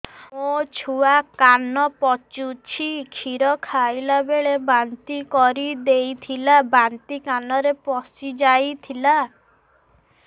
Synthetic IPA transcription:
mot͡ʃʰuakanɔpɔt͡ʃut͡ʃʰikʰiɾɔkʰajlabeɭebant̪ikɔɾid̪ejt̪ʰilabant̪ikanɔɾepɔsid͡ʒajt̪ʰila

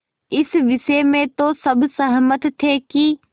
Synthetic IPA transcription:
ɪsʋɪʃemẽt̪osɐbʱsɐɦmət̪t̪ʰːeːki

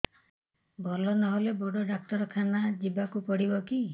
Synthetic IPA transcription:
bʱɔlɔnɔɦoleboɽɔɖak̚ʈɔɾɔkʰanad͡ʒibakupɔɽibɔki

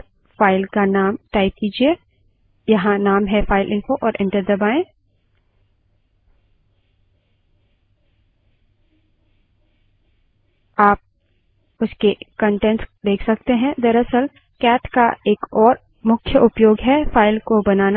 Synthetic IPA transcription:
faːɪlkanaːmʈaːɪp̚kiːd͡ʒie | jɐɦãnaːmɦɛfaːɪlʔɪ̃nfoʔɔːɾʔɛ̃ɳʈəɾd̪ɐbaːẽː | aːp̚ | ʊskekə̃ɳʈẽɳʈsd̪eːkʰsɐk̚t̪eɦɛ̃d̪ɐɾəsəl | kɛːʈkaeːkɔːɾ | mʊkʰjəʔʊpjoːɡɦɛfʰaːɪlkobɐnaːna

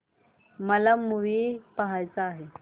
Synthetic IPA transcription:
məlamuʋiːpaɦajt͡saːɦe

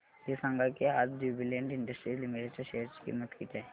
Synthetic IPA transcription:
ɪsɐ̃ŋɡakeaːd͡ʒd͡ʒuːbileɳɖɪ̃ɳɖəsʈɾilɪmiʈet͡ʃəɾʃeːəɾt͡ʃkḭːmət̪kiːt̪ɦɛː

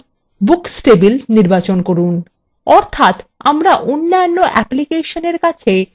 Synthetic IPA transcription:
buksʈebilniɾbat͡ɕonkoɾun | ɔɾt̪ʰat̪amɾaʔonːajonːoʔɛplikeʃoneɾkat͡ɕʰe

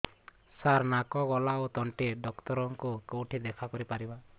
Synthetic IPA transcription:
saɾnakɔɡɔlaot̪ɔɳʈeɖɔkt̪ɔɾɔŋkukowʈʰid̪ekʰakɔɾipaɾiba

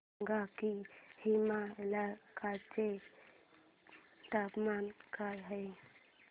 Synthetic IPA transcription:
ɡakihimalakaɾt͡ɕe | ʈapmankaɾɦə

